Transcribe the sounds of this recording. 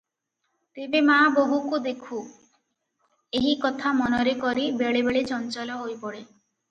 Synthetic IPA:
t̪ebemaboɦukud̪ekʰu | eɦikɔt̪ʰamɔnɔɾekɔɾibeɭebeɭet͡ʃɔnt͡ʃɔlɔɦojpɔɽe

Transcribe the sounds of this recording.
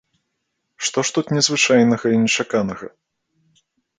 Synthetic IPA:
ʂt̪ɔʂt̪ut̪nʲɛzvɨt͡ʂajnɐɣɐinʲɛt͡ʂakanɐɣɐ̰

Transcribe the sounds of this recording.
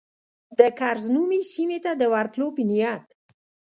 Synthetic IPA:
d̪əkaɾznumisimet̪ad̪əwaɾt̪lopinijat̪

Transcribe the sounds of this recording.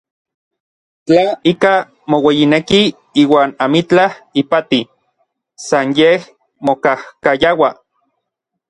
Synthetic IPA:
t͡ɬaika | mowejineki | iːwaːnamit͡ɬahipat̪i | sanjeh | mokahkajawa

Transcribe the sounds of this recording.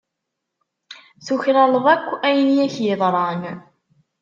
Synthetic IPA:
θuçɾælˤəvækʷːæjnjæçjɪðˤɾˤɑn

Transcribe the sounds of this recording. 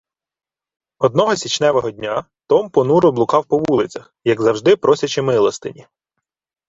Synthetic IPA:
ɔd̪̚nɔɦɔsʲit͡ʃnɛʋɐɦɔdʲnʲa | t̪ɔmpɔnuɾʊblˠʊkɑwpɔʋulˠɪt͡sʲɐxjɐɡzɐwʒd̪ɪpɾɔsʲɐt͡ʃɪmɪlˠɔst̪ɪnʲi

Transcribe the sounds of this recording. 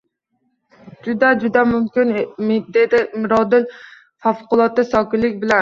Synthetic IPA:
d͡ʒud̪ɛd͡ʒud̪ɛmumkʲind̪ed̪ɪmʊɾɒd̪ɪl | fæfqʊlˠɒt̪ːɪsɑkʲɪlːɪk̚ʲbɪlɛn

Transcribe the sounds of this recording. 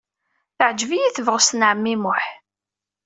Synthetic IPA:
θəʕd͡ʒvijiθəvʁəsnʕəmːimʊħ

